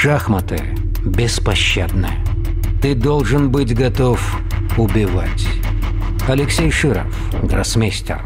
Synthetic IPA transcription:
ʂaxmət̪ɨ̰ | bʲɪspɐɕːad̪nɨ̰jə | t̪ɨd̪olˠʐɨnbɨtʲɡɐt̪of | ʊbʲɪva̰tʲ | ɐlʲɪksʲejʂɨɾə̰f | ɡrɐ̰smʲesʲtʲɪ̰r

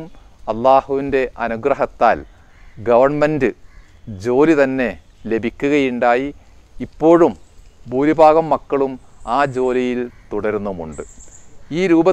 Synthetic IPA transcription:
m | ɐlːaːhuʋinde̞ʔɐnuɡrɐɦɐt̪ːaːl | ɡɐʋɐrɳmendɨ | d͡ʑo̞ːlit̪ɐnːe̞ | le̞bʱikʲːuɣɐjuɳɖaːjiː | pːo̞ːɻumbuːɾibʱaːɣɐmːɐkːɐɭumaːd͡ʑo̞ːlijilt̪uɽɐɾnːumṵɳɖɨiːɾuːbɐ

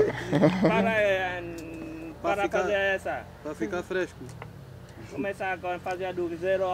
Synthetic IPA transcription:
paɾa | paɾaikfaeɛsɐpɾafikaɾfɾɛʃku | komɛsakɔfazead̪uizeɾ

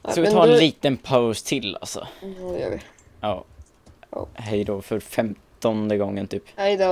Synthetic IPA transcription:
skavɪɑːɾɛnlliːt̪ənpʰaʊst̪ʰɪlːa̰lsɔ̰ɪ | ɑː | ɦɛjd̪oːfœɾfɛmt̪ɔnd̪əɡɔŋːənt̪ʰyːpad̪

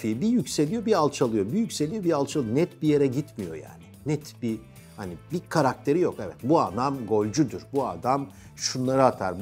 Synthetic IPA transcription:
ibijycse̞lʲijo̞bialˠt͡ʃʰalˠɯjo̞bijycse̞lʲijo̞bialˠt͡ʃʰalˠɯjonɛt̪bije̞ɾɛɟit̪mijo̞̰ja̰ːninɛt̪bi | hanibikʰaɾak̚t̪ʰe̞ɾijo̞kɛvɛt̪buad̪amɡo̞lʲd͡ʒud̪uɾbuad̪am | ʃunlˠaɾɯat̪ʰa̰ɾb

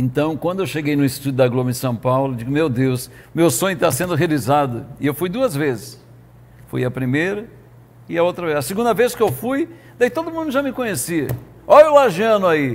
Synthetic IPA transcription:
ẽnt̪ɐ̃w̃kwɐ̃nd̪ʊewʃeɡejnʊɪst̪ud̪ʊd̪ɐɡlomɐɪ̃sɐ̃w̃pawlʊd͡ʒiɡʊmewd̪ews | mewsõɲʊt̪asẽnd̪ʊɦealizad̪ʊɪewfujd̪uɐzvezɪs | fṵjɐpɾimejɾɐ | ɪɐowt̪ɾɐvezɐsɪɡũnd̪ɐveskɪewfuj | d̪ait̪od̪ʊmũnd̪ʊʒamɪkõɲesiɐ | ɔjʊlaʒiɐ̃nʊai

